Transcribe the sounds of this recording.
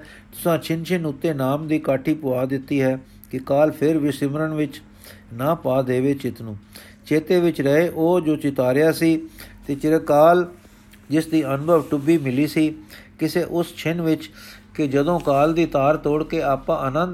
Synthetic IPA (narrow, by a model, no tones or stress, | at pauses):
t̪ʊsãːt͡ʃʰɪnt͡ʃʰɪnʊt̪ːeːnaːmd̪iːkaːʈʰiːpʊaːd̪ɪt̪ːiːɦɛː | kɪkaːlpʰɪɾʋɪsɪmɾəɳʋɪt͡ʃ | naːpaːd̪eːʋeːt͡ʃɪt̪nũː | t͡ʃeːt̪eːʋɪt͡ʃɾəɦeːʔoːd͡ʒoːt͡ʃɪt̪aːɾɪjaːsiːt̪eːt͡ʃɪɾeːkaːl | d͡ʒɪsd̪iːʔənʊbʱəʋʈʊbiːmɪliːsiːkɪseːʔʊst͡ʃʰɪnʋɪt͡ʃ | kɪd͡ʒəd̪õːkaːld̪iːt̪aːɾt̪oːɽkeːaːpãːʔənənd̪